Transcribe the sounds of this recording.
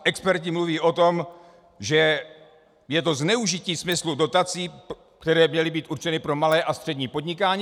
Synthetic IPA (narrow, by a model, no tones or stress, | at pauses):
ʔɛkspɛɾcɪmluviːʔo̞t̪o̞m | ʒɛ | jɛt̪o̞znɛuʒɪciːsmɪsludo̞t̪at͡siː | kt̪ɛɾɛːmɲɛlɪbiːt̪ʔuɾt͡ʃɛnɪpɾo̞malɛːʔast̪r̥ɛdɲiːpo̞dɲɪkaːɲiː